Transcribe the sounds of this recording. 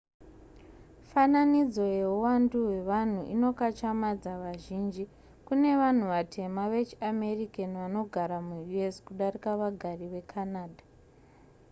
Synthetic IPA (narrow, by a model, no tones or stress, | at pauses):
fananid͡zo̞je̞uwanduwe̞ʋan̤uʔino̞kat͡ʃamad͡zaʋaʒind͡ʒi | kune̞ʋan̤uʋatʰe̞maʋe̞t͡ʃiame̞rikeniʋano̞ɡʱaɾamujue̞skuɗarikaʋaɡʱariʋe̞kʰanaːdʱa